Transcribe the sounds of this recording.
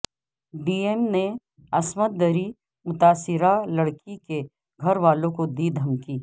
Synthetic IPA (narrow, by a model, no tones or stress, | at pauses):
ɖiːemne | ɐsmət̪̚d̪əɾi | mʊt̪aːsɪɾalɐɽkike | ɡʱɐɾʋaːlõkod̪iːd̪ʱɐmkiː